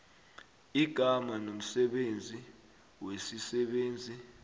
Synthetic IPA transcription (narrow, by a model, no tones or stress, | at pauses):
iɡ̥ʱamanom̩sɛɓend͡zʱi | wesisɛɓeːnd͡zʱi